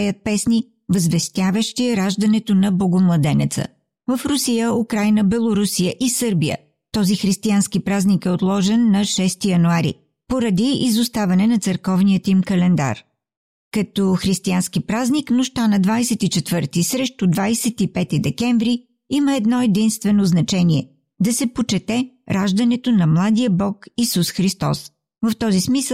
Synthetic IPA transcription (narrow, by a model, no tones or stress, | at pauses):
ɛjət̪̚pɛsni | vəzvɛst̪ʲjavəʃt̪iɛɾaʒd̪ɐnɛt̪onɐboɡomlˠɐd̪ɛnɛt̪sə̰ | vəfɾusijəukɾajnəbɛlˠoɾusijəʔisɤɾbijə̰ | t̪ɔzixɾist̪ianskipɾaznikɛot̪lˠɔʒɛnːɐʃɛst̪ijɐnuaɾḭ | poɾɐd̪iizʊst̪avɐnɛnɐt̪səɾkɔvnijət̪imkɐlɛnd̪a̰ɾ | kɐt̪oxɾist̪ianskipɾazniknʊʃt̪anɐd̪vajsɛt̪it͡ʃɛt̪vɤɾt̪isɾɛʃt̪od̪vajsɛt̪ipɛt̪id̪ɛkɛɱvɾi | iməɛd̪nɔɛd̪inst̪vɛnoznɐt͡ʃɛniɛ | d̪ɐsɛpot͡ʃɛt̪ɛ | ɾaʒd̪ɐnɛt̪onɐmlˠad̪ijəbɔkisusxɾist̪ɔ̰s | vɐft̪ɔzismisə